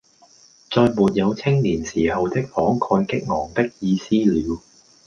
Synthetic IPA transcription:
t͡sɔː˧jmuː˨t̚jɐ˨˧wt͡sʰɪ˥ŋliː˨˩nsiː˨˩hɐ˨wt̪ɪ˥k̚fɔː˨˥ŋkʰɔː˧nkɪ˥k̚ŋɔː˨˩ŋt̪ɪ˥k̚jiː˧siː˥liː˨˧w

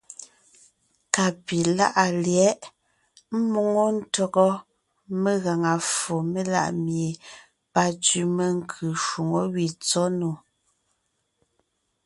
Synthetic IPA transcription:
ka˨pi˨la˦ʔa˨ljɛ˨˦ʔ | m̩˦mo˨ŋɔ˦n̩˦tɔ˦ɣɔ˦ | me˦ɣa˨ŋa˨fo˨me˦la̰˦ʔmje˨ | pa˦tɥi˨me˦ŋ̩˦kʰʉ˨ʃu˨ŋɔ˦wi˨t͡sɔ˦no˨

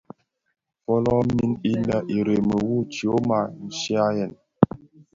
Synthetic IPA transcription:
fɔ˦lɔ˦mi˦ni˦lə˨ʔi˨ɾe˨mə˨wu˦˨t͡ʃi˨o˦ma˦˨n̩˦ʃi˦a˦jɛ˨n

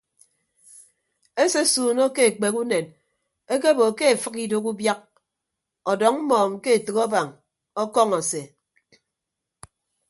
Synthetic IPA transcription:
e˦se˦suː˨no˦ke˦e˨k͡pe˨ku˦ne˨n | e˦k̬e˦bo˨ke˦e˨fɨ˦ki˨do˦ku˦bja˦k̚ | ɔ˨dɔ˨ŋm̩˦mɔː˨ŋ̩˦ke˦e˨tɨ˨kɔ˦ba˨ŋ | ɔ˦kɔ˦ŋɔ˨se˨

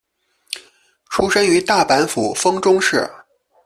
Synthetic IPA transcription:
ʈ͡ʂʰu˥ʂə˥ŋy˧˥t̪a˥˩pa˧˥nfu˨˩fɤ˥ŋʈ͡ʂʊ˥ŋʂɻ̩˥˩

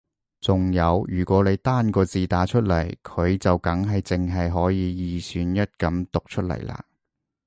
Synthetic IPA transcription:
t͡sʊ˨ŋjɐ˨˧wjyː˨˩kʷɔː˨˥ne˨˧jt̪aː˥nkɔː˧t͡siː˨t̪aː˨˥t͡ʃʰɵ˥t̚lɐ̰˨˩jkʰɵ˨˧ɥt͡sɐ˨wkɐ˨˥ŋɦɐ˨jt͡sɪ˨ŋɦɐ˨jɦɔː˨˥jiː˨˧jiː˨syː˨˥njɐ˥t̚kɐ˨˧˥mt̪ʊ˨k̚t͡ʃʰɵ˥t̚lɐ̰˨˩jlʔa̰ː˧˥

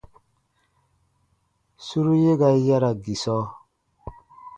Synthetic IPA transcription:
su˦ɾu˦je˦ɡa˨i˦ja˦ɾa˨ɡi˨sɔ˦

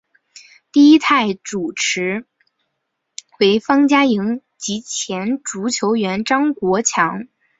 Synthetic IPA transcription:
t̪i˥˩i˥t̪ʰa˥˩ɪʈ͡ʂu˨˩ʈ͡ʂʰɻ̩˧˥ | xwe˧˥ɪfɑ˥ŋt͡ɕja˥ji˧˥ŋ | t͡ɕi˧˥t͡ɕʰjɛ˧˥nʈ͡ʂu˧˥t͡ɕʰjo˧˥ʊɥɛ˧˥nʈ͡ʂɑ˥ŋkwɔ˧˥t͡ɕʰjɑ˧˥ŋ

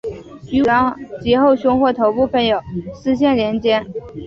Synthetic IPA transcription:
y˧˥˩ɑ˧˥ŋt͡ɕjɛ˧˥xo˥˩ʊɕjʊ˥ŋxwɔ˥˩t̪ʰo˧˥ʊpu˥˩pʰə˧˥ŋjo˨˩ʊsɹ̩˥ɕ̬jɛ˥˩nljɛ˧˥nt͡ɕjɛ˥n

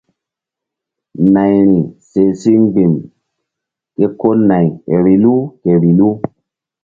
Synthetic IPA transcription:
na˨jɾi˨se˨si˦ŋ˦ɡ͡bi˨m | ke˦ko˦na˨je˨ɾi˨lu˦ke˨ɾi˨lu˦

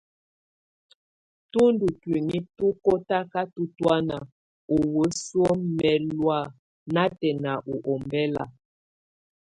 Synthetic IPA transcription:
tu˦ndu˨twi˨ni˦tu˦ko˦ta˦ka˦tu˦twa˦na˨ | u˨wə˨˦swo˦mɛ˨lwa˦˨ | na˦tɛ˨na˨ʔu˨ʔɔ˨mbɛ˦la̰˨

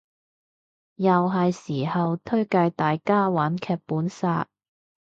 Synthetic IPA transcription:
jɐ˨wɦɐ˨jsiː˨˩hɐ˨wt̪ʰɵ˥ɥkɐ˧jt̪aː˨jkaː˥waː˨˥nkʰɛː˧puː˨˥nsaː˧t̚

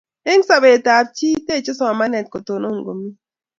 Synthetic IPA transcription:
e˦ŋsa˨βe˨ta˨p̚t͡ʃi˦te˦˨t͡ʃe˦sɔ˨a˨ma˦nɛ˨t̚ko˨to˨no˦˨ŋɡo˨mi˦

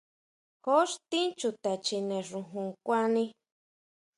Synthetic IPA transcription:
ho˦ʂt̪ĩ˦nt͡ʃu˧t̪a˨t͡ʃi˧nẽ˨ʐũ˧ɦũ˧kʷã˦nĩ˧

